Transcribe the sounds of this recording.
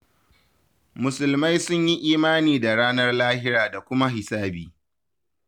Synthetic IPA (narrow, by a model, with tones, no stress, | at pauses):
mʊ˨sʊ˨lma˦jsʊ˦ɲji˦ʔiː˦maː˦niː˨da˨ɽaː˦nɐ˦rlaː˦hɪ˦ɾaː˨da˨kʷʊ˦ma˦ɦɪ˨saː˦biː˨